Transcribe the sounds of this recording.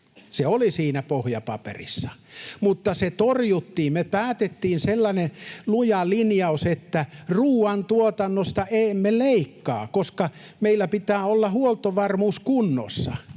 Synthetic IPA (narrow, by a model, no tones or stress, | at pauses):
seolisiːnæpohjɑpɑpḛrḭsːɑ̥mut̪ːɑset̪orjut̪ːiːmmepæːt̪et̪ːiːnselːɑnelujɑlinjɑuset̪ːæruːɑnt̪uot̪ɑnːost̪ɑʔeːmːeleˑikːɑ̰ːkoskɑ | meilːæpit̪æːolːɑhuolt̪oʋɑrmuːskunːo̰sːɑ̰